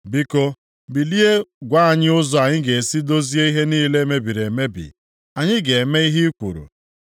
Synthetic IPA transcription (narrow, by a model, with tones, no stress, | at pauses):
bi˦ko˦ | bi˨li˦e˦ɡʷa˦a˨ɲɪ˦ʊ˦zɔ˦a˨ɲɪ˦ɡe˨si˦do˦zi˦e˦i˦ɦe˦niː˦le˦me˦bi˨ɾe˨me˦bḭ˨ | a˨ɲɪ˦ɡe˨me˦i˦ɦi˦kʷu˨ɾṵ˨